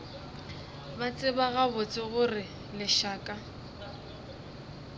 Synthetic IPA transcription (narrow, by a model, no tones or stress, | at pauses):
bat͡sʼɪbaɣabʊt͡sʼɪɣʊrɪ | lɪʃaːkʼa